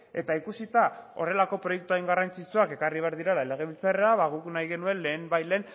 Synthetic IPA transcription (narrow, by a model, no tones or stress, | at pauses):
e̞t̪aikusit̪ao̞re̞lako̞pɾo̞jek̚t̪uajŋɡarant͡sit͡suake̞kariβ̞e̞aɾðiɾelale̞ɣ̞e̞βilt͡sareaβaɣuknajɣe̞nue̞nle̞ːmbajle̞ːn